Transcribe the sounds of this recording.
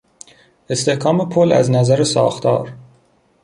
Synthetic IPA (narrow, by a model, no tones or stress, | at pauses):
e̞st̪e̞hkʰɒːmepʰolæ̰znæzæɾesɒ̰ːxt̪ʰɒ̰ːɾ